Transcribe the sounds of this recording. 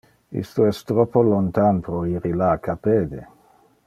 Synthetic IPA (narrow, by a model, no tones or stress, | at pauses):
ḭst̪oɛst̪ɾɔpːolont̪anpɾoiɾilakʰapeːd̪e